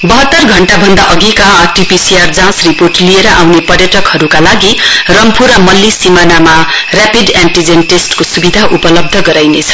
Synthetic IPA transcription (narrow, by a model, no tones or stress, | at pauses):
bʌɦʌt̪ːʌrɡʱʌɳʈabʱʌnd̪aʔʌɡikaʈipisiard͡zãsriporʈlieɾʌʔawnepʌrjʌʈʌkhʌɾukalaɡirʌmpʰuɾʌmʌlːisimanamarapidaɳʈid͡zenʈesʈkosubid̪ʱaʔupʌlʌb̚d̪ʱʌɡʌɾajnet͡sʰʌ̥